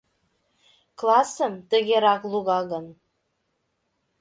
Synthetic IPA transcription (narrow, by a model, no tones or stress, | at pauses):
klˠɑsəmt̪ə̆ɣʲeɾɑklˠuɣɑɣɤn